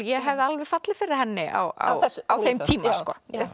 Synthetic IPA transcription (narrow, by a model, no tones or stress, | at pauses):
jɛɦɛvðɪalvɛ̥fat̪lɪfɪɾɪɪ̥ɾ̥hɛnːɪa̰wa̰wawθejmt̪ʰiːmaskɔ̰ː